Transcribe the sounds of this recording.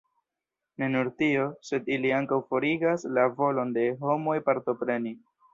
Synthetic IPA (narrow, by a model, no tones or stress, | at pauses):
ne̞nuɾtio̞se̞diliaŋkawfo̞ɾiɡaslavo̞lo̞nde̞ɦo̞mo̞jpaɾto̞pɾe̞ni